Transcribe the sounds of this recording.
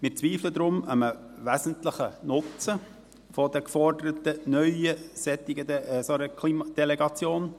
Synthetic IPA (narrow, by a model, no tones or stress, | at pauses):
mɪɾt͡sʋiːfləd̪ɾʊməmə | ʋæzəntləχənʊt͡sə | fɔd̥ɛkfɔrdəɾətənœʏəsɛt̪ːɪɡəsoɾəkʰlimɑd̥ɛlɛɡɑt͡sjoːn